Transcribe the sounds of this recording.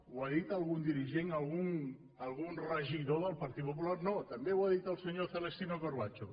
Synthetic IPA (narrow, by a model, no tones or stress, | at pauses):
waðit̪əlˠɣund̪iɾiʒeŋəlˠɣun | əlˠɣunrəʒiðoðəlˠpaɾt̪it̪̚pop̬ulaɾnot̪əmbewaðit̪əlˠsəɲoθələst̪inokoɾβat͡ʃo